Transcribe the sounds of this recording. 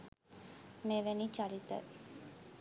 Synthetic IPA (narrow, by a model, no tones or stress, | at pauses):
meːʋænit͡ʃaɾit̪ə̰